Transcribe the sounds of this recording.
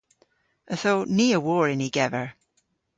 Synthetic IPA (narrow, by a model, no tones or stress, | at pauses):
əθowniːəwɔːɹɪniɡɛvə˞